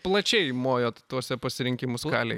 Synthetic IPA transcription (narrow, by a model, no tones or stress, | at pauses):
plˠɐt͡ʃʲɛɪmoːjoːt̪t̪uɔsʲɛpɐsʲɪɾʲɪŋʲkʲɪmʊskɑ̰ːlʲɛɪ